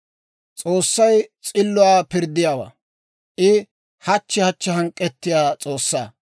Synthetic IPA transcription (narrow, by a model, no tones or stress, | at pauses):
t͡sʼoːsːɐjt͡sʼɪlːʊwaːpɪɾd̪ːɪjaːwa̰ː | ʔɪ | hɐt͡ʃːɪhɐt͡ʃːɪɦɐŋkʼːɛt̪ːɪjaːt͡sʼoːsːaː